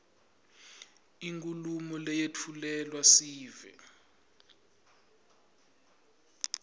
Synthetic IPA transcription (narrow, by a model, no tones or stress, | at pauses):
iŋkʼulumɔlɛjetʰulɛlwasiːvɛ̰